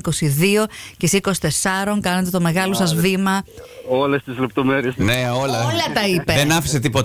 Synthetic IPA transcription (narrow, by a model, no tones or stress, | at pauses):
ko̞siðio̞cesiko̞si̥t̪e̞sɐɾo̞ŋkɐnet̪et̪o̞me̞ɣɐlo̞sɐzvimɐolest̪izlep̚t̪o̞meɾiesneolɐlɐt̪ɐipeðenɐfi̥set̪ipot̪